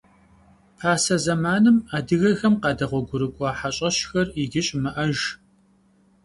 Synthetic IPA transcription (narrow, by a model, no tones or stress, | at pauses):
pʰaːsɐzɐmaːnɨmaːdɨɣɐxɐmqɑːdɐʁʷɔɡʷʊɾɨkʷʼɑːħaɕʼɐʃxɐriɡʲɪɕʼmɨʔɐʒ